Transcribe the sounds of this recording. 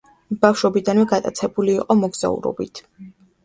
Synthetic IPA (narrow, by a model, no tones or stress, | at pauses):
b̥afʃwɔbid̪anwɛɡat̪ʼa̰t̪sʰɛbuliːqʼɔmɔɡz̥a̰ṵɾɔ̰bit̪ʰ